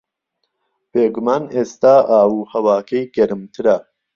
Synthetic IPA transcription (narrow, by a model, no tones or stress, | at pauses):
b̥eːɡumaːneːst̪aːʔaːwuːhɐwaːkʰɐjɡɐɾɨmt̪ʰɨɾɐ